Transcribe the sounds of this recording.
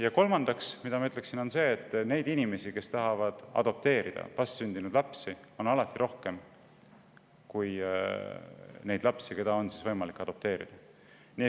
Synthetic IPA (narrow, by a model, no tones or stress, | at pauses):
jɑko̞lmɑnd̪̥ɑksmid̪̥ɑmɑyt̪leksino̞nse̞ːet̪ːˑne̞jd̪̥inime̞sike̞st̪ɑɦɑvɑd̪̥ɑ̰d̪̥o̞p̚t̪e̞ːɾid̪̥ɑ̰pɑst̪synd̪inud̪̥lɑpsio̞nɑlɑt̪ːˑiɾʔo̞hke̞m | kuj | ne̞jd̪lɑpsike̞d̪̥ɑo̞nsisvɤjmɑlikˑːɑd̪̥o̞p̚t̪e̞ːɾḭd̪̥ɑ | ni